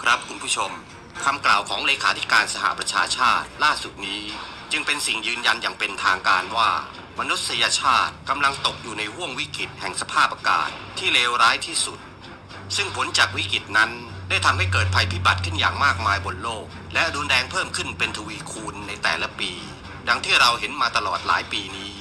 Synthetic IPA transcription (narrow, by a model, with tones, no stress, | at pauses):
kʰɾa˦˥p̚kʰu˧npʰuː˥˩t͡ɕʰo˧m | kʰa˧mklaː˨˩wkʰɔː˩˦ŋleː˧kʰaː˦t̪ʰi˦˥kaː˧nsa˧ha̰˨ʔpɾa˧t͡ɕʰaː˧t͡ɕʰaː˥˩t̪̚laː˥˩su˨˩t̪̚niː˦˥ | t͡ɕɯ˧ŋpe˧nsi˨˩ŋjɯː˧nja˧njaː˨˩ŋpe˧nt̪ʰaː˧ŋkaː˧nwaː˥˩ | ma˧nu˦˥t̪̚sa˧ja˧t͡ɕʰaː˥˩t̪̚ka˧mla˧ŋt̪o˨˩k̚juː˨˩na˧jhu˥˩əŋwi˦˥kɾi˨˩t̪̚hɛ˨˩ŋsa˧pʰaː˥˩p̚ʔaː˧ka̰ː˨˩t̪ʰːiː˥˩leː˧wɾaː˦˥jt̪ʰiː˥˩su˨˩t̪̚ | sɯ˥˩ŋpʰo˩˦nt͡ɕaː˨˩k̚wi˦˥kɾi˨˩t̪̚na˦˥n | da˥˩jt̪ʰa˧mha˥˩jkɤː˨˩t̪̚pʰa˧jpʰiː˦˥˩ba˨˩t̪̚kʰɯ˥˩nja̰ː˨˩ŋmaː˥˩k̚maː˧jbo˨˩n̚loː˥˩k̚lɛ˦˥ʔɾuː˧nɾɛː˧ŋpʰɤː˥˩mkʰɯ˥˩npe˧nt̪ʰu˧wiː˧˥kʰuː˧nːa˧jt̪ɛː˨˩la˦˥piː˧ | da˧˩ŋt̪ʰiː˥˩ɾa˧wɦe˩˦nmaː˧t̪a˧lɔː˨˩t̪̚la̰ː˩˦jpiː˧niː˦˥